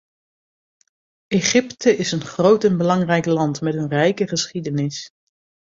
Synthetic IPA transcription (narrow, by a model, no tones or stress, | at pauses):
eχɪptəɪsənχrowtɛnbəlɑŋrɛjklɑntmɛtənrɛjkəχəsχidənɪs